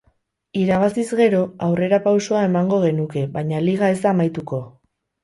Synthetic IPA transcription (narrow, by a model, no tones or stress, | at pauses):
iɾaβasizɣe̞ɾo̞awre̞ɾapawso̞ae̞maŋɡo̞ɣ̞e̞nuke̞βaɲaliɣ̞ae̞samajt̪uko̞